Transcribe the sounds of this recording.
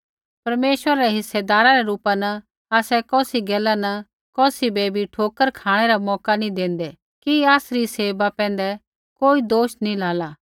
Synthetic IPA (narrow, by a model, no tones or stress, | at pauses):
pɐɾmeːʃwəɾaɾɛɦɪsːɛd̪aːɾaɾɛɾuːpanɐ | aːsɛkɔːsiɡɛːlanɐ | kɔːsibeːbʱiʈʰoːkəɾkʰaːɽ̃ɛɾamɔːkanĩd̪ẽːn̆d̪ɛ | kiaːsɾiseːbapɛ̃ːn̆d̪ɛ | koːid̪oːʃnĩlaːlaː